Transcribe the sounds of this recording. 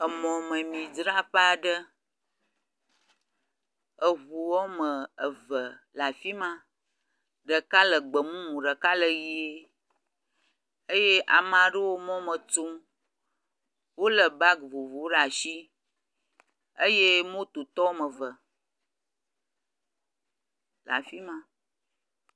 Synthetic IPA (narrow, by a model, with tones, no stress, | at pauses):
ə˨mɔ̃˨mə˨mĩ˨d͡ʒɾa˦ɸə˦a˨ɖə˦ | ə˨βu˨wɔ˦mə˨ə˨və˨la˨fi˦mã˦ | ɖə˨ka˦lə˨ɡ͡bə˨mũ˦mũ˨ɖə˨ka˦lə˨ji˦e˦ | ə˦je˦ʔa˨mã˨ɖə˦wo˦mɔ̃˦mə̃˨tu˦m | wo˦lə˨ba˦ɡvo˨vu˨˦ɖa˨ʃi˦ | ə˦je˦mõ˦t̪o˨t̪ɔ˦o˦mə˨və˨ | la̰˨fi˦mã˦